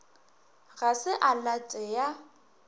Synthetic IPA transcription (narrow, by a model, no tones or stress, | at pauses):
ɣasɪʔalatʼɛja